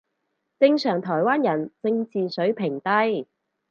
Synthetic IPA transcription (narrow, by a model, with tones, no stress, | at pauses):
t͡sɪ˧ŋsœː˨˩ŋt̪ʰɔː˨˩jwaː˥njɐ˨˩nt͡sɪ˧ŋt͡siː˨sɵ˨˥ɥpʰɪ˨˩ŋt̪ɐ˥j